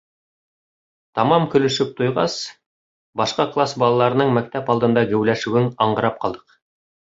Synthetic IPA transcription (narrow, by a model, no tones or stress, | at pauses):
t̪ɑmɑmkɵ̆lɵ̆ʃɵp̚t̪ujʁɑ̰s | bɑʃqɑklˠasbɑlˠɑlˠɑɾɤ̆nɤɴmæk̚t̪æpɑlˠd̪ɤ̆nd̪ɑɡɘ̆wlæʃʉwɘŋɑɴɢɤ̆ɾɑp̚qɑlˠd̪ɤ̥q